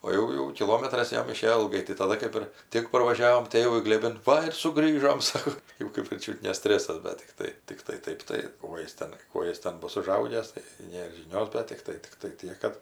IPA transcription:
oː ˈjɛʊ jɛʊ kʲɪˈlˠoːmʲɛtrɐs ˈjɛm ɪˈʃʲeːjoː ɪlˠˈɡɐɪ tɐɪ tɐˈdɐ kɜp ˈɪr ˈtʲɪk pɐrʋɐˈʒʲæːʋoːm ˈtʲeːʋʊɪ ɡlʲeːˈbʲɪn ˈʋɐ ɪr sʊˈɡrʲiːʒoːm ˈsɑːkoː ˈjɛʊ kɜp ɪr ˈt͡ʃʲʊt nʲɛ ˈsʲtʲrʲæːsɐs ˈdɐ tʲɪkˈtɐɪ tʲɪkˈtɐɪ ˈtɐɪp tɐɪ ˈkuɔ jɪs ˈtʲɛn ˈkuɔ jɪs ˈtʲɛn ˈbʊs ʊˈʒɐʊɡʲæːs tɐɪ ˈnʲeːr ʒʲɪˈnʲoːs bʲɛt ˈtʲɪktɐɪ ˈtʲɪktɐɪ ˈtʲiɛk kɐt

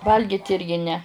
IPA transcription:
ˈʋɐlʲɡʲɪt ˈɪrʲɡʲɪ nʲɛ

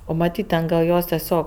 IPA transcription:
ˈoː mɐˈtʲiːtʲ tʲɛn ɡɐlˠ ˈjoːs tʲɛˈsʲoːk

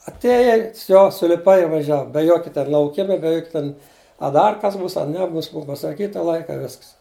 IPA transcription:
ɐtʲˈeːjɛɪ ˈʋʲsʲoː sʊlʲɪˈpɐɪ ɪ ʋɐˈʒʲɛw bʲɛ ˈjoːkʲɪ ˈtʲɛn lˠɐʊˈkʲɪmɐ bʲɛ ˈjoːkʲ ˈtʲɛn ɐ ˈdɐr kɐs ˈbuːs ɐ ˈnʲæːbuːs ˈbʊɐ pɐsɐˈkʲiːtɐ ˈlˠɐɪkɐ ɪ ˈʋʲɪsks

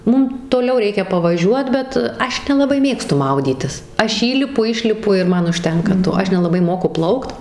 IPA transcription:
ˈmʊm toːˈlʲɛʊ ˈrʲɛɪkʲɛ pɐʋɐˈʒʲuɔt ˈbʲɛt ˈɐʃ nʲɛlˠɐˈbɐɪ ˈmʲeːkstʊ ˈmɐʊdʲiːtʲɪs ˈɐʃ ˈiːlʲɪpʊ ˈɪʃʲlʲɪpʊ ɪr ˈmɐn ʊʃʲˈtʲɛŋkɐ ˈtoː ˈɐʃ nʲɛlˠɐˈbɐɪ ˈmoːkʊ ˈplˠɐʊkt

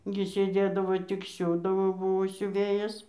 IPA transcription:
ɡʲɪ sʲeːˈdʲeːdɐʋoː tʲɪk ˈsʲuːdɐʋoː ˈbʊʋoː sʲʊˈʋʲeːjɛs

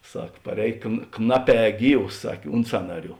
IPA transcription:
ˈsɐk pɐˈrʲɛːj kn ˈknɑːˌpʲɛː ˈɡʲiːws ˈsɐkʲ ˈʊnt sɐnɐˌrʲuː

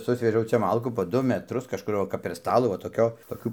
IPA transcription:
ˈsʊsʲʋʲɛʒʲɛʊ ˈt͡ʃʲɛ ˈmɐlˠkuː poː ˈdʊ mʲɛˈtrʊs kɐʃˈkʊr ʋɐ kɐp pʲɛr ˈstɑːlˠuː ʋɐ toːˈkʲoː toːˈkʲuː

